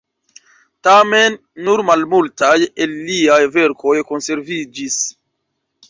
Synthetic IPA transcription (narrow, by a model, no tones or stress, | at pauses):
tame̞nː | uɾmalmultajelːiajve̞ɾkʰo̞jkonse̞ɾvid͡ʒis